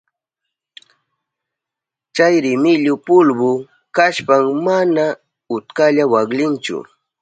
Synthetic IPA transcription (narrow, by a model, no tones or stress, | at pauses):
t͡ʃajɾɪmɪʎʊpʊlbʊ | kaʃpaŋmana | ʊt̪kaʎawaklɪnt͡ʃʊ̰